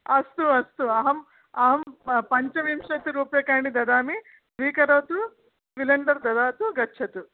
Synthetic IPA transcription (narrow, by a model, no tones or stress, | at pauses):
ɐst̪uɐst̪uɐɦɐm | ɐɦɐmpɐɲt͡ʃɐʋimʂɐt̪iɾuːpjɐkaːɳid̪ɐd̪aːmi | sʋiːkɐɾɐːt̪u | ʋilɐɳɖɐɾd̪ɐd̪aːt̪uɡɐːt͡ʃʰɐt̪u